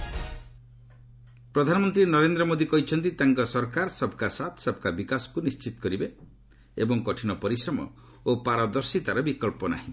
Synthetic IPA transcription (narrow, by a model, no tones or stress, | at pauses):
pɾɔd̪ʱanɔmɔnt̪ɾinɔɾend̪ɾɔmod̪ikɔɦit͡ʃʰɔnt̪it̪aŋkɔsɔɾkaɾsɔb̚kasat̪ʰsɔb̚kabikasɔ̥kunist͡ʃit̪ɔ̥kɔɾibe | ebɔŋkɔʈʰinɔpɔɾisɾɔmɔ̰ | opaɾɔd̪ɔɾsit̪aɾɔbikɔlpɔna̰ɦĩ